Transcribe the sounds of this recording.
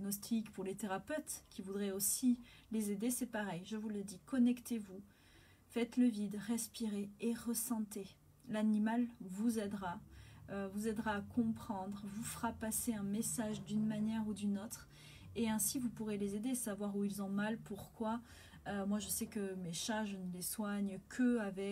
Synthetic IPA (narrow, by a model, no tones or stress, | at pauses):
ɡnɔst̪ikpuʁlet̪eʁapøt̪kʲivud̪ʁɛosilezed̪esɛpaʁɛjʒəvuləd̪ikɔnɛkt̪evu | fɛt̪ləvid̪ʁɛspiʁeːʁəsɑ̃t̪e | lanimalvuzɛd̪ʁaøvuzɛd̪ʁaːkʰɔ̃pχɑ̃d̪ʁvufʁapaseɛ̃mesaʒd̪ynmanjɛʁud̪ynot̪χ | eɛ̃sivupuʁelezed̪esavwaʁuilzɔ̃malpuʁkwa | ømwaʒəsɛkəmeʃaʒənəleswaɲkʰəavɛ